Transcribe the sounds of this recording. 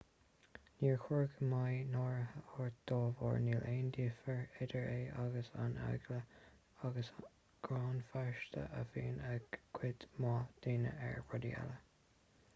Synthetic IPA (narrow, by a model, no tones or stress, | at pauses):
niːɹxʊɹɡəmajnɔːɹəhəɔɹd̪̥oːvɔ̰ːɹniːleːnd̪iːfəɹɪdəɹeːʔaɡəsa̰na̰ɡlə | aɡəs | ɡ̥ɾɑːnfaɹʃt̪ə̰ʔəfiːnɛɡʰwɪt̪mɑːd̪̥iːnə̰ʔɛ̰ɹɹɔd̪iɛ̰lə